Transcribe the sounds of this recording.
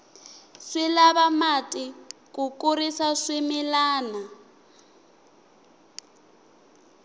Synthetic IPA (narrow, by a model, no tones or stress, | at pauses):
swɛlaβamatʼɪk̬ukʼuɾisaswɛmɛlaːna